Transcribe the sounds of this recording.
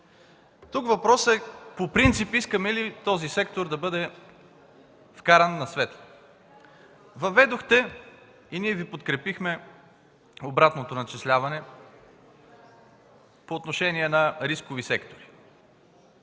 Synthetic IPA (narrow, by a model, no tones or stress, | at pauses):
t̪ukvɐpɾɔsɛpopɾint̪sipiskɐmɛlit̪ɔzisɛk̚t̪oɾd̪ɐbɤd̪ɛ | fkaɾɐnːɐsvɛt̪ə̥ | vɐvɛd̪oxt̪ɛ | iniɛvipot̪kɾɛpixmɛ | obɾat̪not̪onɐt͡ʃɛslʲavɐnɛ | poːt̪noʃɛniɛnɐɾiskovisɛkt̪oɾi